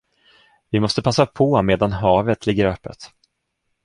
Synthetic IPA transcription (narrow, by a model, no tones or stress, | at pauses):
vɪmɔst̪əpʰasːapʰɔmeːd̪anɦɑːvət̪ʰlɪɡːəɾœpːə̰t̪